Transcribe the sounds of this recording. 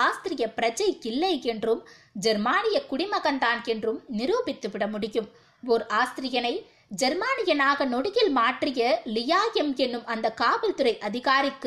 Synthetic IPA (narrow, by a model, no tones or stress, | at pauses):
aːst̪ɪɾɪjɐpɪɾɐd͡ʒɐjkɪlːɐɪɛndrɯm | d͡ʒɛɾmaːnɪjɐkʊɽɪmɐɣɐnd̪aːnɛndrɯmnɪɾuːbɪt̪ːɯʋɪɽɐmʊɽɪjɯm | ɔɾʔaːst̪ɪɾɪjɐnɐɪ | d͡ʒɛɾmaːnɪjɐnaːɣɐnɔɽɯɣɪlmaːʈrɪjɐlɪjaːjɐmɛnːɯmʔɐnd̪ɐkaːʋɐlt̪ɯɾɐɪʔɐðɪɣaːɾɪkːɯ